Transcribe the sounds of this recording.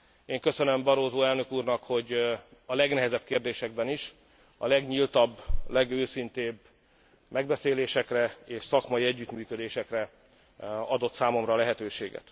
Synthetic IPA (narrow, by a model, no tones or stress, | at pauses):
eːŋkø̞sønømbɒɾoːzoːɛlnø̞kuːrnɒkho̞ɟɒlɛɡnɛɦɛzɛb̚keːrd̪eːʃɛɡ̚bɛniʃ | ɒ̰lɛɡɲilt̪ɒbːlɛɡøːsint̪eːb | mɛɡbɛseːleːʃɛkrɛeːʃsɒkmɒjiɛɟːyt̪myːkø̞d̪eːʃɛkrɛ | ɒd̪o̞t̪saːmo̞mrɒːlɛɦɛt̪øːʃḛːɡɛ̰t̪